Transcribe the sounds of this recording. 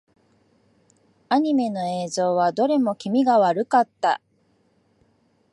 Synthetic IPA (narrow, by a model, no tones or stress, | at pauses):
aɲ̟ime̞no̞e̞ːzo̞ːβad̪o̞ɾe̞mo̞kʲimʲiɡaβaɾɯ̟kat̪ːa̰